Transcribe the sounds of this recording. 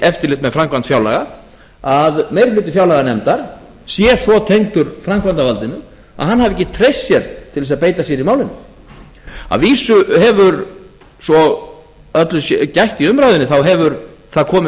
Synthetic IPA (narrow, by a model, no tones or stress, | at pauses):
ɛft̪ɪɾlɪht̪mɛðfɾamkvant̪fjawla̰ɣa | aðmejɾflʏːt̪̬ɪfjawlaɣanɛmt̪aɾ̥ | sjɛsvɔt̪ʰejŋt̪ʏɾfɾamkvant̪avalt̪ɪnʏ | a̰ðhanhavɪɛhcːɪt̪ʰɾejsːjɛɾ̥t̪ʰɪlvɛs̬aðpeːjt̪asjɛɾimaːwlɪnːɪ | a̰viːsʏhɛvʏɾ | sɔ | œt̪lʏsɛcajht̪iʏmɾajðʏnɪθawɦɛvʏɾθaðkʰɔːmɪ